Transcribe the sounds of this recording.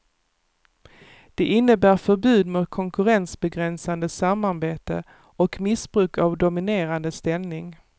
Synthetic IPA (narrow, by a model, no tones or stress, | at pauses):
d̪̥ɛʔɪnːəbæːɾfœɾbʉ̟ːd̪mʊt̪̚kʰɔŋkɵɾɛnsbɛɡɾɛnsand̪əsamːaɾbeːt̪ə̰ | ɔkmɪsbɾʉ̟ːkavd̪ʊmɪneːɾand̪əst̪ɛlnɪŋ